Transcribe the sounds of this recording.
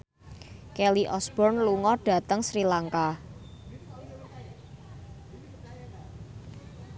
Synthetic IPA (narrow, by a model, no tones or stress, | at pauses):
kɛliʔɔsb̥ɔrnluŋɔɖ̥a̤t̪əŋsɾilaŋka